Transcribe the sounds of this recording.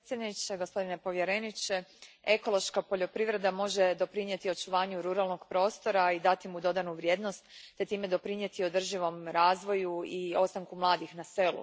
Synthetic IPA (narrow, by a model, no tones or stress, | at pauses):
sʲjed̪nit͡ʃeɡospo̞d̪ine̞po̞ʋje̞ɾenit͡ʃe̞ | eko̞lˠo̞ʃkapo̞ʎo̞pɾiʋɾe̞d̪amo̞ʒe̞d̪o̞pɾiɲje̞t̪io̞t͡ʃuʋaːɲuɾuɾalˠno̞ɡpɾo̞ːst̪o̞ɾaid̪at̪imud̪o̞d̪anuʋɾje̞ːd̪nost̪ːe̞t̪iːme̞d̪o̞pɾiɲje̞t̪io̞d̪r̩ʒiʋo̞mɾaːzʋo̞juio̞st̪aŋkumlˠaːd̪ixnase̞lṵ